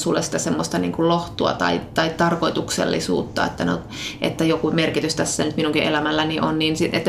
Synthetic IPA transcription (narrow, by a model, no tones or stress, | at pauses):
sulːesi̥t̪æsemːost̪ɑnḭːŋkulloht̪uɑ̰t̪ɑ̰it̪ɑit̪ɑrkoit̪uksḛlːḭsṵːt̪ːɑ̰ḛt̪ːæno̰ | ʔḛt̪ːæjokumerkit̪yst̪æsːænyt̪minuŋkiʔelæmælːæniʔonniːnsiet̪ː